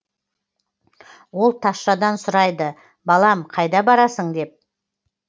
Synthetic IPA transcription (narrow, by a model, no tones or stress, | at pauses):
wo̞lˠt̪ʰɑsʃɑd̪ɑnsʊɾɑjd̪ə | bɑlˠɑmqʰɑjd̪ɑbɑɾɑsəɴd̪e̞p̚